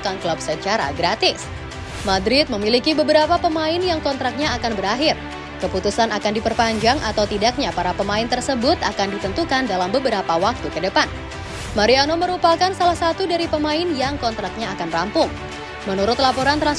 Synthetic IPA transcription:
kanklap̚sət͡ʃaɾa̰ɡɾat̪ɪs | madɾɪt̪̚məmilikibəbəɾapapəmaɪnjaŋkɔnt̪ɾak̚ɲaːkanbəɾaɦɪr | kəput̪usanakandipərpaɲd͡ʒaŋʔat̪awt̪idak̚ɲapaɾapəmaɪnt̪ərsəbʊt̪akandit̪ənt̪ukandalambəbəɾapawak̚t̪ukədəpan | maɾianoməɾupakansalahsat̪udaɾipəmaɪnjaŋkɔnt̪ɾak̚ɲaːkanrampʊŋ | mənuɾʊt̪lapoɾant̪ɾan

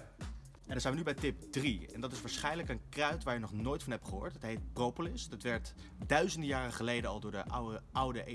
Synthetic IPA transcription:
ɛndɑnzɛjnənybɛjtɪp̚driɛ̰ndɑtɪsʋaːɹsχɛjnələkənkrœɥtʋaːɹjənɔχnojtfɑnɦɛptχəɦʊ̰ːɹtɦətɦejt̚prowpolɪsdətʋɛɹt | dœɥzəndəjaːrəχəlejdənɑlˠdʊːɹdəʌwdəʔe

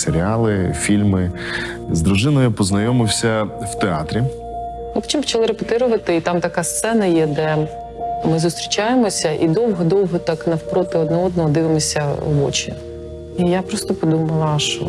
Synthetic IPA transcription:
seɾʲiɑlˠɪfʲilʲmɪ | zd̪ɾʊʒɪnɔjʊpɔznɐjɔmɪwsʲɐw̥t̪eɑt̪ɾʲi | mɪpɔ̥t͡ʃ̪ʲimpɔ̥t͡ʃɐlˠɪɾepʊt̪ɪɾʊʋɐt̪ɪit̪ɑmt̪ɐkast̪sɛnɐjɛd̪ɛ | mɪzʊst̪ɾʲit͡ʃajemɔsʲɐʔid̪ɔwɦɔd̪ɔwɦɔt̪ɑknɐwpɾɔt̪ɪɔd̪nɔɔd̪nɔɦɔd̪ɪʋɪmɔsʲɐɔ̰ʋɔ̰t͡ʃḭ | ijapɾɔst̪ɔpɔd̪umɐlˠɐʃɔ̰

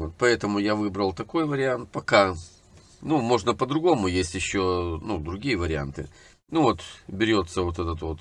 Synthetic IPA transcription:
ot̪̚pɐɛt̪əmʊjavɨbɾəlˠt̪ɐko̞jvəɾʲɪant̪̚pɐka | numo̞ʐnəpəd̪ɾʊɡo̞mʊjesʲtʲjɪɕːonud̪ɾʊɡʲijəvəɾʲɪa̰nt̪ɨ̰ | nuvo̞t̪bʲɪɾʲo̞t̪sːəvo̞t̪ɛt̪ət̪vot̪

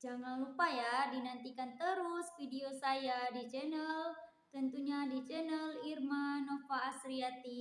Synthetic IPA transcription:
d͡ʒaŋanupajadinant̪ikant̪əɾʊsfideosajadit͡ʃɛnəl | t̪ənt̪uɲadit͡ʃɛnəlirmanofaːsɾiat̪i

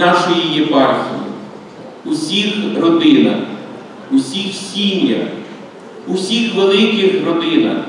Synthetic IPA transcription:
ɑʃɔjijepɑrxʲḭjḭ | usʲixrɔd̪ɪnɐ̰x | usʲixsʲinʲjɐ̰x | usʲixʋelˠɪkʲɪxrɔd̪ɪnɐ̰x

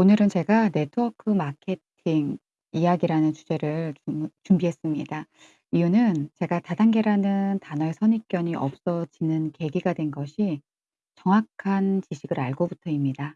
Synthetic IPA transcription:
onɯɾɯnt͡ɕe̞ɡane̞tʰɯʌkʰɯmakʰe̞tʰiŋ | ijaɡiɾanɯnt͡ɕud͡ʑe̞ɾɯɭt͡ɕumbiɦe̞s͈ɯmɲida | ijunɯnt͡ɕe̞ɡatadaŋɡe̞ɾanɯntanʌesʰʌɲik͈jʌɲiʔʌ̰p̚s͈ʌd͡ʑinɯnke̞ɡiɡadwe̞nɡʌɕʰi | t͡ɕʌŋwakʰant͡ɕiɕʰiɡɯɾaɭɡobutʰʌimɲida

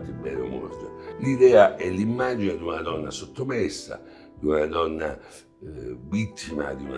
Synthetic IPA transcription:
t̪ːɪbɛːɾomo̰rt̪olid̪ɛːaʔɛlːimːaːd͡ʒined̪unad̪ɔnːasot̪ːomɛsːa̰ | d̪iunad̪ɔnːa | vit̪ʰːima̰d̪iun

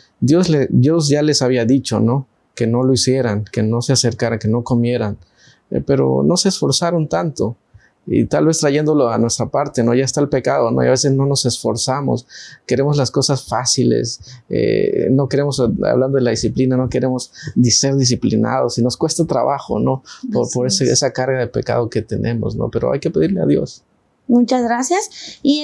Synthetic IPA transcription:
d̪jo̞sled̪jo̞zʝale̞saβiaðit͡ʃo̞̰no̞ | ke̞no̞loisje̞ɾaŋke̞no̞sease̞ɾkaɾaŋke̞no̞ko̞mje̞ɾan | pe̞ɾo̞̰no̞seːsfo̞ɾsaɾont̪ant̪o̞ | ḭt̪alβe̞st̪ɾaʝe̞nd̪o̞loanwest̪ɾapaɾt̪e̞no̞ʝaest̪aelpe̞kað̞o̞no̰iaβe̞sesno̞no̞se̞sfo̞ɾsamo̞̰ske̞ɾe̞mozlasko̞sasfasilḛsḛno̞ke̞ɾe̞mo̞sa̰βland̪o̞ðelaðisiplinano̞ke̞ɾe̞mo̞zd̪iseɾðis̬iplina̰ð̞o̞sino̞skwe̞st̪at̪ɾaβaxo̞̰no̞poɾpoɾeseḛsakaɾɣaðe̞pe̞ka̰ð̞oke̞t̪e̞nʔẽ̞mo̞̰sno̞̰pe̞ɾo̞̰ajke̞pe̞ðiɾlea̰ðjo̞̰s | mut͡ʃazɣɾasjasi

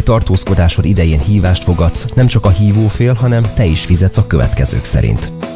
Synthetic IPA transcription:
t̪ɒrt̪oːsko̞d̪aːʃolid̪ɛjeːnhiːvaːʃt̪fo̞ɡɒt̪snɛmt͡ʃɒkɒɦiːvoːfeːlɦɒnɛmt̪ɛiʃfizɛt̪sɒkøvɛ̰t̪kɛ̰zø̰ːksɛ̰ɾḭnt̪

